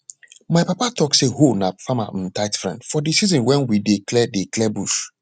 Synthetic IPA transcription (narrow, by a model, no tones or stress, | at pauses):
maɪpapatɔksehonafama̰n̩taɪtfɹɛ̰̃ndfɔdisizĩnwɛ̃nwideklɛdeklɛbuʃ